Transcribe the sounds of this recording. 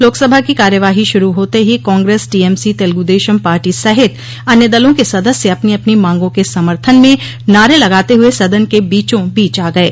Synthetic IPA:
loːksɐbʱakikaːɾjəʋaːɦiʃʊɾuɦoːt̪eɦikɔ̃ːŋɡɾeːsʈiːɛːmsit̪eːlɡud̪eːʃəmpaːɾʈisɐɦɪt̪ | ɐnjəd̪ɐlõkesɐd̪əsjeɐpneɐpnimãːŋɡõkesɐməɾt̪ʰənmẽ | naːɾelɐɡaːt̪eɦʊesɐd̪ənkebiːt͡ʃõbiːt͡ʃaːɡɐeː

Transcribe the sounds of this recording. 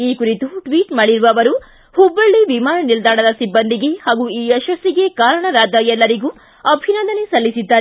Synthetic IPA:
iːkuɾit̪uʈʋiːʈmaːɽiɾuʋɐːʋɐɾu | hubːɐɭːiʋimaːnɐnild̪aːɽɐd̪ɐsibːɐnd̪iɡe̞haːɡuiːɛʃɐsiɡe̞kaːɾɐɳɐɾaːd̪ɐjɛlːɐɾiɡuː | ɐbʱinɐnd̪ɐne̞sɐlːisid̪ːaːɾe

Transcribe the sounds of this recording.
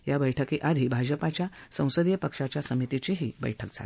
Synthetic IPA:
ɦjabəjʈʰəkiʔad̪ʱibʱad͡ʑəpat͡ɕjasə̃w̃səd̪jəpəkʂat͡ɕjasəmit̪it͡ɕiɦiːbə̰jʈʰək̚d͡zʱa̰l

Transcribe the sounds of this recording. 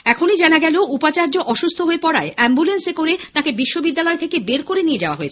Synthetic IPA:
ɛkʰonid͡ʑanaɡɛleoupat͡ɕaɾd͡ʑoʔɔʃust̪ʰoɦoepɔɽa̰eɛmbulensekoɾet̪ãkebiʃːobid̪ːalɔet̪ʰekebeɾkoɾenied͡ʑaoa̰ɦoet͡ɕʰe

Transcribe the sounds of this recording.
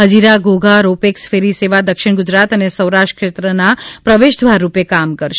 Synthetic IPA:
ɦəd͡ʒiɾaɡoɡʱaɾopeksfeɾiseʋad̪əkʃɪɳ̃ɡʊd͡ʒɾat̪ənesəwɾaʃʈə̥kʰʃet̪ɾənapɾəʋeʃd̪ʱʋaɾːupekamkəɾʃ

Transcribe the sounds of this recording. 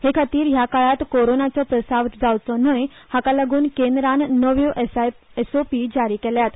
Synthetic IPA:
hekʰat̪iːɾɦjakaɭat̪koɾonat͡sɔpɾəsaʋd͡zaʋt͡sɔnəjhakalaɡuːnkend̪ɾanːəʋjoʔ | esopid͡ʑaɾiːkɛljat̪

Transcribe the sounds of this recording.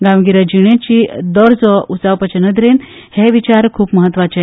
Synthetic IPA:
ɡãwɡiɾad͡ʑiɽ̃jet͡ɕiːd̪ɔɾd͡zɔust͡saʋpət͡ɕənəd̪ɾen | heʋit͡ɕaɾkʰuːpməɦət̪ːʋat͡ɕe

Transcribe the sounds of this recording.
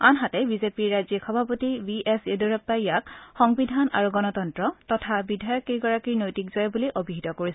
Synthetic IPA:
anɦatɛbizepiɹːazikxɔbʱapotibiʔesedɔɹɔp̚taijakxɔŋbidʱana̰ɹuɡɔnɔtɔntɹɔtɔtʰabidʱajɔkiɡɔɹakiɹnojtikzɔjbuliʔobiɦitɔkoɹisɛ

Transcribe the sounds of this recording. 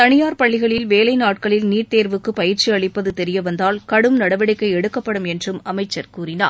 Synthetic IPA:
t̪ɐɳɪjaːɾpɐɭːɪɣɐɭɪlʋeːlɐɪnaːʈ̚kɐɭɪlniːʈt̪eːɾʋɯkːɯpɐjɪɾt͡ʃiɐɭɪpːɐðɯt̪ɛɾɪjɐʋɐnd̪aːlkɐɽɯmnɐɽɐʋɪɽɪkːɐɪɛɽɯkːɐpːɐɽɯmɛndrɯmɐmɐɪt͡ʃːɐɾkuːɾɪna̰ː

